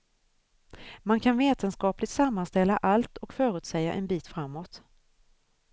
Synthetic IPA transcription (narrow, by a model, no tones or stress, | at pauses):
mankʰanveːt̪ənskɑːplɪt̪samːanst̪ɛlːaʔalt̪ɔkfœːɾʉ̟ːt̪sɛjːa̰ʔɛnbiːt̪fɾamːɔt̪